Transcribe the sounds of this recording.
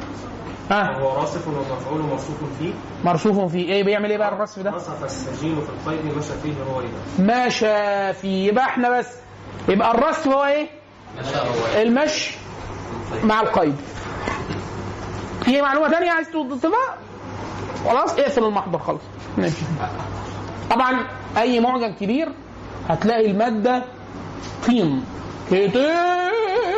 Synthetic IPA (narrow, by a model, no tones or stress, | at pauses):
hæhowːæɾˤɑːsefenwmæfʕuːlmɑɾˤsˤuːfonfiː | mɑɾˤsuːfofiːʔeːbejeʕmelʔeːbæʔærˤːɑsfd̪æsˤfæsːæd͡ʒiːlfilqɑjd̪mæːʃæfiːɦhowːæjibæʔmæːʃæfiːjebʔæeħnæbæsː | jebʔærˤːɑsfhhowːæʔeː | elmæʃ | maʕelqɑjb̪ | fimaʕluːmæt̪ænjæʕaizt̪wod̪ːˤet̪ːˤebæʔ | xɑlɑːsˤʔeʔfelelmɑħd̪ˤɑɾˤxɑlɑsˤmæːʃi | t̪ˤɑbʕɑnʔæjːmoʕɡæmkebiːɾ | hæt̪læːʔilmæːd̪ːæ | t̪ˤʰiːmket̪ʔeː